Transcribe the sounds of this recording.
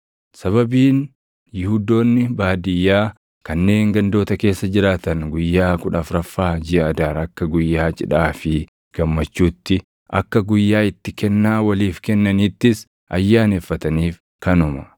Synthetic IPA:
sɐβɐbiːn | jɪhuːd̪o̞ːnːɪbaːd̪ɪjːaː | kɐnːe̞ːŋɡɐnd̪o̞ːt̪ɐke̞ːsːɐd͡ʒɪɾaːt̪ɐnɡʊjːaːkʊᶑɐfɾɐfːaːd͡ʒɪɐɐd̪aːɾɐkːɐɡʊjːaːt͡ʃʼɪᶑaːfɪ | ɡ̥ɐmːɐt͡ʃːuːt̪ːɪ | ʔɐ̰kːɐɡʊjːaːɪt̪ːɪkɛnːaːwɐliːfkɛnːɐniːt̪ːɪs | ʔɐjːaːneːfːɐt̪ɐniːf | kɐnʊmɐ

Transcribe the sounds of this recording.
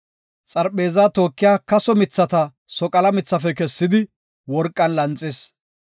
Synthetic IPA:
t͡sʼɐɾpeːzaːt̪o̞ːkːɪjaːkɐsɔmɪt͡sːɐt̪ɐ | sɔkʼɐlɐmɪt͡sːɐfɛkɛsːɪd̪ɪ | wɔɾkʼːɐnlɐnt͡sʼːɪs

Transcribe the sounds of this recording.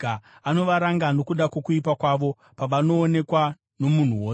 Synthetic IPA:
ano̞ʋaɾaŋɡano̞kuɗakokuipakwaʋo̞ | paʋano̞ːne̞kwa | no̞mun̤uwoːs

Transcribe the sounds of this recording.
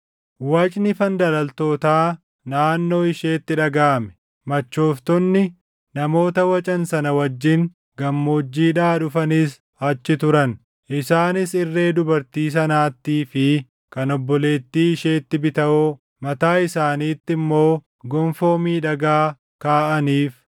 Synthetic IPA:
wɐt͡ʃʼnɪfɐnd̪ɐlɐlt̪o̞ːt̪aː | naːnːo̞ːɪʃe̞ːt̪ːɪᶑɐɡaːmɛ̥ | mɐt͡ʃːo̞ːft̪ɔnːɪ | nɐmo̞ːt̪ɐwɐt͡ʃʼɐnsɐnɐwɐd͡ʒːɪŋ | ɡɐmːo̞ːd͡ʒːiːᶑaːᶑʊfɐnɪs | ɐt͡ʃːɪt̪ʊɾɐn | ʔɪsaːnɪsɪrːe̞ːd̪ʊbɐɾt̪iːs̬ɐnaːt̪ːiːfɪ | kɐnɔbːɔle̞ːt̪ːiːɪʃe̞ːt̪ːɪbɪt̪ɐʔo | mɐt̪aːɪsaːniːt̪ːɪmːo̞ː | ɡɔɱfo̞ːmiːᶑɐɡaː | kaːʔɐniːf

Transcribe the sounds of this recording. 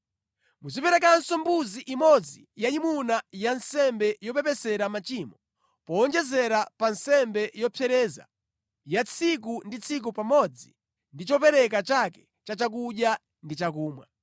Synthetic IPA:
muzipɛɾɛkansɔmbuziʔimɔd͡zi | jaimunajansɛmbɛjɔpɛpɛsɛɾamat͡ʃimɔ | pɔːnd͡ʒɛzɛɾapansɛmbɛjɔpʰjɛɾɛːza̰ | jat͡sʰik̬undit͡sʰik̬upamɔd͡zi | ndit͡ʃɔpɛɾɛkat͡ʃakɛ̥ | t͡ʃat͡ʃak̬uɗja | ndit͡ʃak̬uːmwa̰

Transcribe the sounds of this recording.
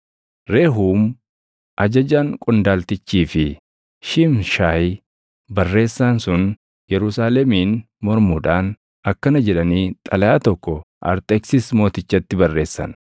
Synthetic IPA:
ɾe̞ːɦuːm | ʔɐd͡ʒɐd͡ʒaːŋkʼɔnd̪aːlt̪ɪt͡ʃːiːfɪ | ʃɪmʃaːj | bɐrːe̞ːsːaːnsʊn | jɛɾʊsaːlɛmiːn | mɔɾmuːᶑaːn | ɐkːɐnɐd͡ʒɛᶑɐniːt̪ʼɐlɐjaːt̪ɔkːɔ | ʔɐ̰ɾt̪ʼɛksɪsmo̞ːt̪ɪt͡ʃːɐt̪ːɪbɐrːe̞ːsːɐ̰n

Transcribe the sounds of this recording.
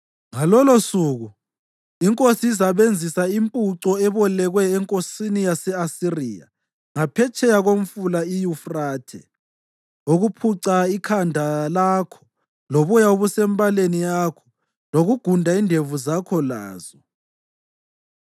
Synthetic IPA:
ŋalɔlosuːɣu | iŋkʼosiisaβend͡zʱisaimpʼuǀɔɛβɔlɛɣwɛːŋkʼosinijasɛasirija̰ | ŋapʰɛt͡ʃʰɛjaɣom̩fulaijufraːtʰɛ̰ | uɣupʰuǀaikʰandʱalakʰɔ̥ | loβujauβusɛmbʼalenijaːkʰɔ̥ | loɣuɡ̥ʱundʱaindʱevuzakʰɔla̰ːzɔ

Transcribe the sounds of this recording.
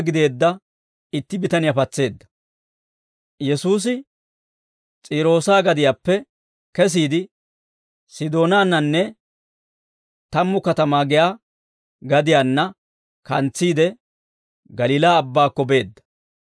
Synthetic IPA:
ɡɪd̪e̞ːd̪ːɐ | ɪt̪ːɪbɪt̪ɐnɪjapɐt͡sːe̞ːd̪ːɐ̥ | jɛsuːs̬ɪ | t͡sʼiːɾo̞ːsaːɡɐd̪ɪjaːpːɛ | kɛs̬iːd̪ɪ | sɪd̪o̞ːnaːnːɐnːɛ | t̪ɐmːʊkɐt̪ɐmaːɡɪjaː | ɡɐd̪ɪjaːnːɐ | kɐnt͡sːiːd̪ɛ | ɡɐliːlaːbːaːkːɔbe̞ːd̪ːɐ̥

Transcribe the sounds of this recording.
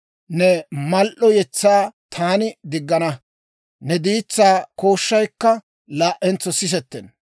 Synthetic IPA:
nɛmɐlʔɔjɛt͡sːaːt̪ʰaːnɪd̪ɪɡːɐnɐ | nɛd̪iːt͡sːaːko̞ːʃːɐjkːɐ | laːʔɛnt͡sːɔsɪs̬ɛt̪ːɛn

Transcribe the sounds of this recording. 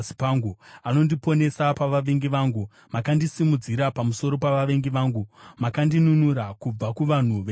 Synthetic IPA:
si̥paŋɡuano̞ndipo̞ne̞sapaʋaʋe̞ŋɡiʋaːŋɡu | makandisimud͡ziɾapamuso̞ɾo̞paʋaʋe̞ŋɡiʋaːŋɡumakandinunuɾakub͡vakuʋan̤uʋeː

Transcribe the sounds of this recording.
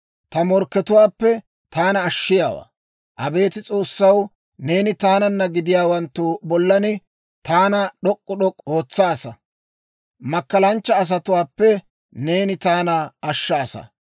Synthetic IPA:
t̪ɐmɔɾkːɛt̪ʊwaːpːɛ | t̪aːnɐːʃːɪjaːwa̰ː | ʔɐbe̞ːt̪ɪt͡sʼo̞ːsːɐw | ne̞ːnɪt̪aːnɐnːɐɡɪd̪ɪjaːwɐnt̪ːubɔlːɐnɪ | t̪aːnɐɗɔkʼːʊɗɔkʼːo̞ːt͡sːaːsɐ | mɐkːɐlɐnt͡ʃːɐːs̬ɐt̪ʊwaːpːɛ | ne̞ːnɪt̪aːnɐɐʃːaːsɐ̰

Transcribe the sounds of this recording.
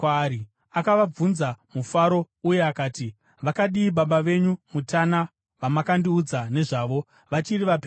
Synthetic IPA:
ɾi | akaʋab͡vunzamufaɾo̞ | uje̞akaːti | ʋakaɗiːɓaɓaʋe̞ɲumutʰana | ʋamakandiud͡zane̞ʐaːʋo̞ | ʋat͡ʃiriʋape

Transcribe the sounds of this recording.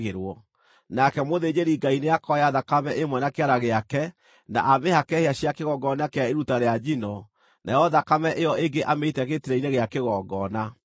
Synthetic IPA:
ɣeɾwɔ | nakɛmoðed͡ʑeɾiɡaineakɔjaðakamɛʔemwɛnakeaɾaɣeakɛ | na̰ʔamehakɛheaɕjakeɣɔɡɔnakeaeɾutaɾead͡ʑinɔ | najɔðakamɛʔejɔeŋɡeʔameitɛɣetiɾɛineɣeakeɣɔːɡɔna

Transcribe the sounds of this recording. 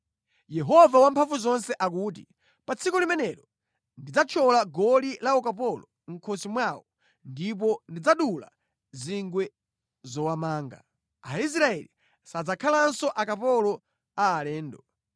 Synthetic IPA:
jɛɦɔvawampʰaɱfuzɔnsɛʔak̬uːti | pat͡sʰikɔlimɛnɛɾɔ | ndid͡zat͡ʃʰɔlaɡɔlilaɔkap̬ɔlɔ | ŋ̩kʰɔsimwawɔ | ndip̬ɔndid͡zaɗula̰ | ziŋɡwɛ | zɔwamaːŋɡa̰ | ais̬ɾaɛli | sad͡zakʰalansɔʔakapɔlɔ | aːlɛːndɔ

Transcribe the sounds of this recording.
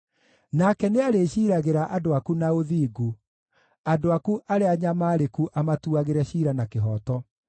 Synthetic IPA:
nakɛneaɾeɕiːɾaɣeɾaʔadoakunaoðiːɡu | adoakuʔaɾeaɲamaːɾekuʔamatuaɣeɾɛɕiːɾanakeɦɔtɔ

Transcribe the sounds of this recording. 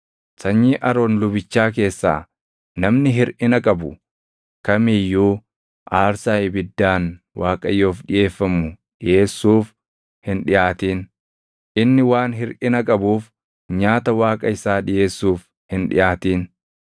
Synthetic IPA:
sɐɲːiːʔɐɾoːnlʊbɪt͡ʃːaːk̬e̞ːsːa̰ː | nɐmnɪɦɪɾʔɪnɐkʼɐbʊ | kɐmijːuː | ʔaːɾsaːɪbɪd̪ːaːn | waːkʼɐjo̞ːfɗɪje̞ːfːɐmʊ | ᶑɪjʔe̞ːsːuːf | hɪnᶑɪjaːt̪iːn | ʔɪnːɪwaːnɦɪɾʔɪnɐkʼɐbuːf | ɲaːt̪ɐwaːkʼɐɪsaːᶑɪjʔe̞ːsːuːf | hɪnᶑɪ̰jaːt̪iːn

